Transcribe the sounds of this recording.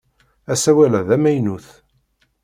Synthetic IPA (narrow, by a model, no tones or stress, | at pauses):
æsæwælæðæmæjnuθ